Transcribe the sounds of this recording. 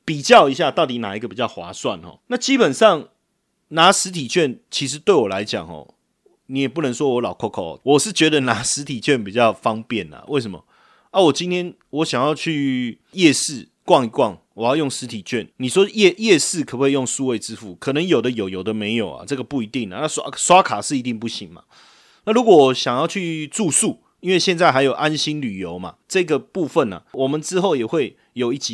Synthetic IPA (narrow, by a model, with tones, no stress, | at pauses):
pi˨˩t͡ɕjɑ˥˧ʊi˧˦ɕja˥˧t̪ɑ˥˩ʊt̪i˨˥˦na˨˩i˦ɡə˨pi˨˩t͡ɕjɑ˥˩ʊxwa̰˧˥˦swa˥˨nxɔ̰˨˩na˥˩t͡ɕi˦pə˨˩nʂɑ˥˩ŋ | na˧˦sɻ̩˧˥t̪ʰi˨˩t͡ɕʰɥɛ˥˨nt͡ɕʰi˧˥ʂ̬ɻ̩˧˦t̪we˥˩ɪwɔ˨˩la˧˦ɪt͡ɕjɑ̰˨˩ŋhɔ̰˨˩ | nĩ˨˦jɛ˨˩pu˥˩nə˧˦ŋʂwɔ˥wɔ˧˥lɑ˨˩ʊkʰɔ˥˧kʰɔ̰˥˩˨wɔ˨˩ʂɻ̩˥˩t͡ɕɥɛ˧˥d̪ə˧˨na˧˥˦sɻ̩˧˥t̪ʰi˨˩t͡ɕʰɥɛ˥˨npi˨˩t͡ɕjɑ˥˨ʊfɑ˦ŋpjɛ˥˨na̰˨˩we˥˩ɪs̬ə˧˦mə̰˨˩ | a˥˦wɔ˨˩t͡ɕi˥nt̪ʰjɛ˥n | wɔ˨˦ɕja˨˩ŋjɑ˥˧ʊt͡ɕʰy˥˧ | jɛ˥˧sɻ̩˥˩ | kwɑ˥˨ŋi˧˥kwɑ˥˨˩ŋwɔ˨˩jɑ˥˧ʊjo˥˩ŋʂɻ̩˧˥t̪ʰi˨˩t͡ɕʰɥɛ˥˩nni˨˩ʂwɔ˦jɛ˥˧jɛ˥˧ʂɻ̩˥˩kʰɤ˨˩we˥˧jo˥˧ŋsu˥˧we˥˩ɪʈ͡ʂɻ̩˦fu˥˩kʰɤ˨˩nə˨˦ŋjo˨˩ʊd̪ə˦jo˨˩ʊjo˨˩ʊd̪ə˦me˧˥ɪjo˨˩ʊa̰˨ʈ͡ʂɤ˥˩ɡə˨pu˥˩i˧˥t̪i˥˩ŋa̰˨na˥˩swa˥swa˦kʰa˨˩ʂɻ̩˥˩i˧˥t̪i˥˧ŋpu˥˩ɕi˧˦ŋma̰˨ | na˥˩lu˧˥kwɔ˨wɔ˨˦ɕjɑ˨ŋjɑ˥˧ʊt͡ɕʰy˥˧ʈ͡ʂu˥˧su˥˩ | i˥nwe˥˧ɪɕjɛ˥˧nt͡sa˥˩ɪɦa˧ɪjo˨˩ʊʔa˦nɕi˥nly˨˩jo˧˦ʊma̰˨ʈ͡ʂɤ˥˧˦ɡə˨pu˥˧fə˥˨˩na̰˩wɔ˨˩mə˨nʈ͡ʂɻ̩˦xo˥˩ʊjɛ˨˩xwe˥˩ɪ | jo˨˩ʊi˥˩t͡ɕi˧˨